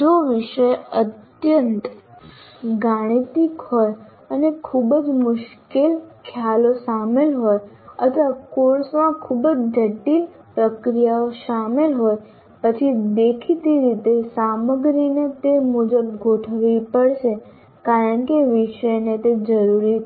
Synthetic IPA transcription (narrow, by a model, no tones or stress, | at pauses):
d͡ʒoʋɪʃəjət̪ | jənt̪ | ɡaɽ̃it̪ikɦoj | ənekʰubəd͡ʒmʊʃkelkʰjalosamelɦoj | ət̪ʰʋakoɾsmãkʰubd͡ʒd͡ʒʱəʈil | pɾəkɾijaoʃamelɦoj | pət͡ʃʰid̪ekʰit̪iɾit̪esaməɡɾinet̪emud͡ʒəb̚ɡʱoʈʰəʋipəɽʃe | kaɾəɳkeʋɪʃəjnet̪ed͡ʒəɾuɾi